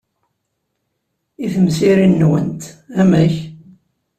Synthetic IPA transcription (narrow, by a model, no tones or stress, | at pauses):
iθəmsiɾinːwə̰nt̪æmæç